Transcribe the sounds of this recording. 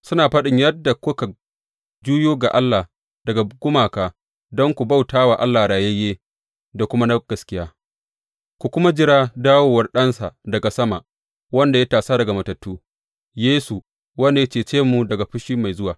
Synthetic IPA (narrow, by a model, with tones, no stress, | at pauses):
sʊ˦naː˨ɸɐ˦ɗɪ˨ɲjɐ˦dːa˨kʊ˦ka˨ | d͡ʒuː˦joː˦ɡa˨ʔa˦lːa˨ | dɐ˨ɡa˨ɡʷʊ˦maː˨kaː˨ | dɔ˦ŋkʷu˨ba˦˨wtaː˦waː˨ʔa˦lːaː˨ɽaː˨je˦jeː˦ | da˨kʷʊ˦ma˦na˦ɡ̥ɐ˨skʲɪ˦jaː˦ | kʷu˨kʷʊ˦ma˦d͡ʒɪ˦ɾaː˦daː˦woː˨wɐ˦rɗɐ˦nsa˨dɐ˨ɡa˨sɐ˦ma˨ʔ | wɐ˦nda˨ja˦taː˨saː˦dɐ˨ɡa˨mɐ˨tɐ˨tːuː˦ | jeː˦su˨ | wɐ˦nda˨ja˦t͡ʃeː˨t͡ʃeː˦mu˨dɐ˨ɡa˨ɸʊ˦ʃiː˦ma˨jzʊ˦waː˨